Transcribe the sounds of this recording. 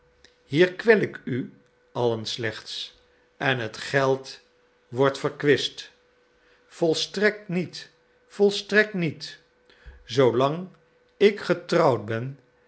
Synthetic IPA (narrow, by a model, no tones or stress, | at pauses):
hiːɹkʋɛlɪky | ɑlənslɛχts | ɛnɦətχɛlˠt | ʋɔɹtfəɹkʋɪst | fɔlˠstrɛk̚tnit | fɔlˠstrɛk̚tnit | zowlɑŋ | ɪkχətrɑwd̚bɛn